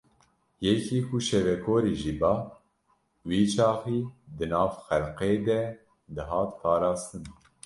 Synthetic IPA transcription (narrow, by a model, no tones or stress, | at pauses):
jɛkʰiːkʰuʃɛvɛkʰoːɾiːʒiːbɑː | wiːt͡ʃʰɑːxiːd̪ɨnɑːvxɛlqeːd̪ɛ | d̪ɨɦɑːt̪̚pʰɑːɾɑːst̪ɨn